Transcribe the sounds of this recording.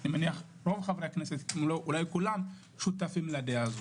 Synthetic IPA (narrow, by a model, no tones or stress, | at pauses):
nimaniaχ | ɾo̞vχavɾeakneset̪moloʔulajkulam | ʃut̪afimlad̪eazo